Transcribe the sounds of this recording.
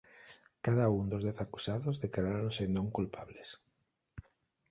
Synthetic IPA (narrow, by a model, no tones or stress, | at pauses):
kaðaund̪ozðɛθakusaðozðekaɾaɾõnsenõŋkulpʰaβles